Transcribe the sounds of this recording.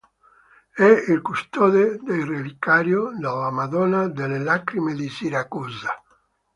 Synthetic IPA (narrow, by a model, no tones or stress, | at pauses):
ɛilkust̪ɔðed̪ejrelikaɾjod̪alamaðɔnad̪elelakɾimeðisiɾakuza